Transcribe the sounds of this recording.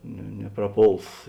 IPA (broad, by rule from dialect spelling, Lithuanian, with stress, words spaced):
nʲɛ nʲɛprɐˈpoːlˠs